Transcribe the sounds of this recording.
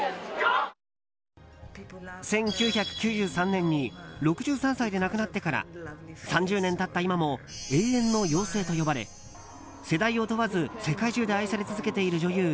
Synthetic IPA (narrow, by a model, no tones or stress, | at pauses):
sẽ̞ŋkʲɨːçakɯ̟̥kʲɨːʑɨːsãnːẽ̞ɲ̟ːiɾo̞kɯ̟ʑɨːsãɰ̃said̪e̞nakɯ̟nat̪ːe̞kaɾa̰sãɲd͡ʑɨːnẽ̞nt̪at̪ːaimamoe̞ːẽnːo̞jo̞ːse̞ːt̪o̞jo̞baɾe̞̰ | se̞d̪aio̞t̪o̞βazɨse̞kaiʑɨːd̪e̞aisaɾe̞t͡sɨzɨke̞t̪e̞iɾɯ̟ʑo̞jɯː